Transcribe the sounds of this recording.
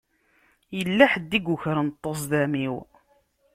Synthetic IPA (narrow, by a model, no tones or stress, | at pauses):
jəlːæħəd̪ːiɡuçɾənt̪ˤːosˤðæmiw